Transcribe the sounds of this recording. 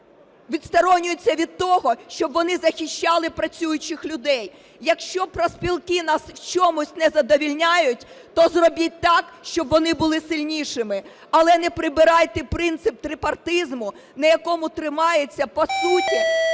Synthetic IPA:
ʋʲid̪st̪ɔɾɔnʲʊjʊt͡sʲːɐʋʲid̪̚t̪ɔɦɔʃt͡ʃɔbʋɔnɪzɐxʲiʃt͡ʃːɑlˠɪpɾɐt͡sʲujʊt͡ʃɪxlʲʊd̪ɛj | jɐkʃt͡ʃɔpɾɔspʲilˠkɪnɑswt͡ʃɔmʊsʲnɛzɐd̪ɔʋʲilʲnʲajʊtʲt̪ɔzrɔbit̚ʲt̪ɑkʃt͡ʃɔbʋɔnɪbʊlˠɪsɪlʲnʲiʃɪmɪ | ɐlˠɛnɛpɾɪbɪɾɑjt̪ɛpɾɪnt̪sɪp̚t̪ɾɪpɐrt̪ɪzmʊ | nɐjɐkɔmʊt̪ɾɪmɑjet͡sʲːɐpɔsutʲi

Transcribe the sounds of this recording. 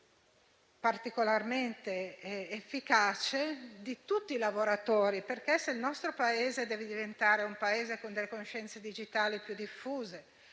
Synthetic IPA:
part̪ikolarment̪eɛːfːikaːt͡ʃed̪it̪ut̪ːiːlavoɾat̪oːɾiperkesːeilnɔst̪ɾopaeːzed̪ɛːved̪ivent̪aːɾeumpaeːzekond̪elːekonoʃɛnt̪sed̪id͡ʒit̪aːlipjud̪ifːuːze

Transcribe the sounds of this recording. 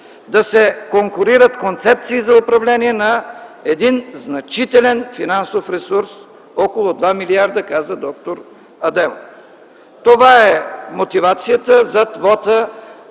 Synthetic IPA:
d̪ɐsɛkoŋkʊɾiɾət̪kont̪sɛp̚t̪siːzɐʊpɾɐvlɛniɛnɐɛd̪inznɐt͡ʃit̪ɛlɛnfinansofɾɛsuɾs | ɔkolˠʊd̪vamiliaɾd̪əkazəd̪ɔk̚t̪oɾ | ɐd̪ɛm | t̪ovaɛmot̪ivat̪sijət̪əzɐd̪vɔt̪ə

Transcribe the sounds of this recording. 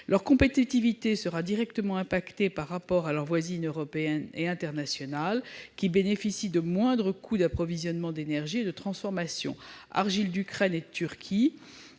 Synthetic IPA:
lʔœʁkɔ̃pet̪it̪ivit̪esəʁad̪iʁɛkt̪əmɑ̃ɛ̃pakt̪epaʁːapɔʁalœʁvwazinøʁɔpeɛneɛ̃t̪ɛʁnasjɔnalkʲibenefisid̪əmwɛ̃d̪ʁəkʰud̪apχɔvizjɔnmɑ̃d̪enɛʁʒied̪ət̪χɑ̃sfɔʁmasjɔ̰̃a̰ʁʒild̪ykχɛned̪ət̪yʁkʲʰi

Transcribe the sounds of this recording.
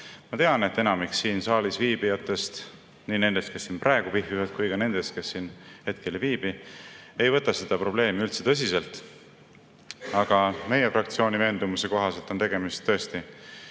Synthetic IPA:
mɑt̪e̞ɑne̞t̪ːˑe̞nɑmiksːiːnsɑːlisviːb̥ijɑt̪ːˑe̞st̪ | niːne̞nd̪e̞st̪ke̞sːiːnprʔɑeɡ̥upiɦjuvɑt̪̚kujkɑne̞nd̪̥e̞st̪̚ke̞sːiːnhe̞t̪̚kʰe̞lviːb̥ie̞jvɤt̪ːˑɑse̞d̪ɑpro̞b̥le̞ːmiylt̪se̞̥t̪ɤ̞s̬ʲise̞lt̪ˑ | ɑɡ̥ɑme̞jefrɑkt̪sio̞ːnʲive̞ːnd̪umuse̞ko̞ɦɑse̞lt̪ːˑo̞nt̪e̞ɡe̞mist̪t̪ːɤ̞est̪i

